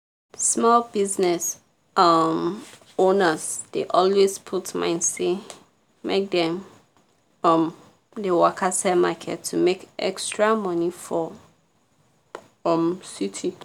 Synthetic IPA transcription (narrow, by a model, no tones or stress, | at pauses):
smɔlbiznɛs | ʌm | õnəzd̥eʔɔlwespʰutmã̰ɪ̃nse | mʔek̚dɛ̃m | ʌ̃m | dewakʰasɛmakʰɛ̰tʰːumekɛ̰kstɹamʌ̃nifɔ | ʌmsitʰi